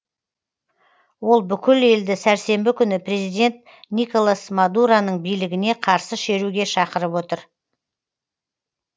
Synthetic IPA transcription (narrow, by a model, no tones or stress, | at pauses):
wo̞lˠbʏkʲɪle̞ld̪ɪsæɾse̞mbɪkʲʰʏnɪpʰre̞zijd̪ʲe̞nt̪̚ | nijko̞lˠasmad̪uɾanəɴbijlɪɡʲɪne̞qʰɑɾsəʃe̞ɾuɡʲe̞ʃɑqəɾəpwo̞t̪əɾ